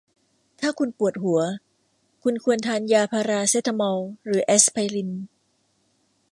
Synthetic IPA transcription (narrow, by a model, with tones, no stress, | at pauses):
t̪ʰaː˥˩kʰu˧npu˨˩ət̪̚ɦu˩˦ɐ | kʰu˧nkʰu˧ənt̪ʰaː˧njaː˧pʰaː˧ɾaː˧se˦˥t̪ʰa˧mɔː˧wɾɯː˩˦ʔe˦˥spʰa˧jli˧n